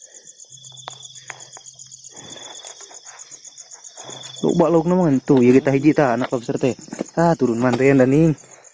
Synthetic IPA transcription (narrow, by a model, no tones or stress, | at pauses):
lo̰ʔbaʔlauk̚namaŋant̪ujaɡit̪aɦid͡ʒit̪aːnaklabsərt̪ɛt̪at̪uɾunmant̪ɛjandaniŋ